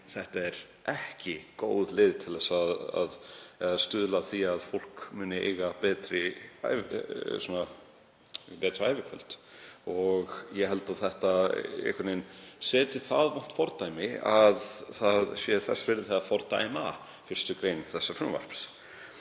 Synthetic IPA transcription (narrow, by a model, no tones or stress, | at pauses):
θɛht̪aɛɾ | ʔɛhcɪkoːwðleːðɪt̪ʰɪlðɛsaða̰ðɛst̪ʏðlaθiaðfowl̥kmʏːnɪḛːɣapɛːt̪ɾɪa̰jvsɔna | pɛːt̪ɾʏaːjvɪkʰvœ̰l̥t̪ɔɣjɛɦɛlt̪aðθɛht̪aḛhkʰaɾnejnsɛːt̪ɪθaðvan̥t̪fɔɾt̪ajmɪaðθaðsjɛθɛsːvɛɾðɪθɛt̪ːafɔɾt̪a̰jma̰ | fɪɾ̥st̪ʏkɾejnθɛsːafɾʏmva̰r̥ps